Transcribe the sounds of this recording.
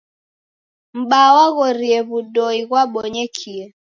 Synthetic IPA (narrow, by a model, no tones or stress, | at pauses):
m̩ɓawaɣɔɾiɛβuɗɔiɣwaɓɔɲɛkʰiɛ